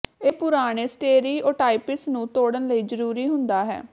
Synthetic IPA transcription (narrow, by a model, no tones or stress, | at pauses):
eːpʊɾaːɽ̃eːsʈeːɾiːoːʈaːipɪsnũːt̪oːɽənləiːd͡ʒəɾuːɾiːɦʊnd̪aːɦɛ̰ː